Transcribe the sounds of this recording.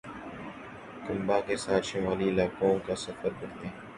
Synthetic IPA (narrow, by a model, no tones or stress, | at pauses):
kɐ̃mbãkesaːt̪ʃɪmaːliɪlaːkõkasɐfəɾkɐɾt̪ẽ